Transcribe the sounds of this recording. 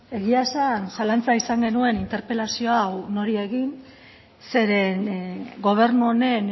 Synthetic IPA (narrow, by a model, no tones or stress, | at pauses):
e̞ɣiasansalant͡saisaŋɡe̞nue̞nint̪e̞ɾpe̞lasio̞awno̞ɾie̞ɣin | se̞ɾe̞nɡo̞β̞e̞ɾnuone̞n